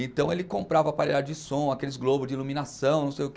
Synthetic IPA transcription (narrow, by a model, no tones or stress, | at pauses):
ẽt̪ɐ̃w̃elɪkõmpɾavɐːpaɾid̪ad͡ʒɪd͡ʒɪsõakelɪzɡlobʊzd͡ʒilumĩnassɐ̃w̃nɐ̃w̃sejʊk